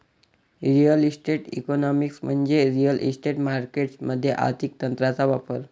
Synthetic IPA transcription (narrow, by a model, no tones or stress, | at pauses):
ɾijəlisʈeʈḭkɔnɔmiksm̤əɳd͡zeɾijəlʔḭsʈeʈmaɾkeʈsməd̪ʱːjeʔa̰ɾt̪ʰik̚t̪ənt̪ɾat͡saʋapəɾ